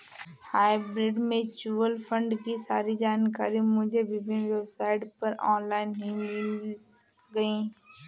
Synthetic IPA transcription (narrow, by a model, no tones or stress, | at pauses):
haːɪbɾɪɖmẽt͡ʃuːʋəlpʰə̃ɳɖkisaːɾid͡ʒaːnkaːɾimʊd͡ʒʱebɪbʱɪnʋebsaːɪʈpɐɾɔːnlaːɪnɦĩmɪl | ɡɐi